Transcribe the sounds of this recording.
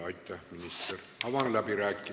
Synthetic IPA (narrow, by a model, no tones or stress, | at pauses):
ɑˑit̪ːæminist̪er | ɑʋɑnlæpiræˑkːi